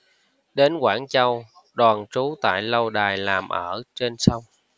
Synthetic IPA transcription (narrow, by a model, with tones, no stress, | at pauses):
ɗe˨˦nkwaː˧˩nt͡ɕə˧w | ɗwaː˨˩nt͡ɕu˨˦t̪a̰ː˧˨jlə˧wɗaː˨˩jlaː˨˩mʔəː˧˩t͡ɕe˧nsə˧wŋ͡m